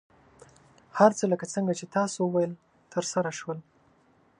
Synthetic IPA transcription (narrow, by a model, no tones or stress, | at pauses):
haɾt͡sələkat͡səŋɡat͡ʃet̪ɑsowəwajəl | t̪ʰəɾsaɾaʃwəl